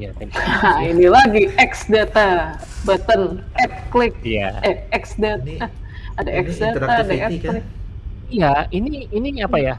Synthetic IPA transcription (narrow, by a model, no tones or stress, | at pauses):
ainilaɡiɛksdat̪a | bət̪ənɛt̪̚klɪk̚ja̰ɛksdat̪a | adaɛksdat̪aːdaɛt̪̚lɪk̚ | ijainiiniapaja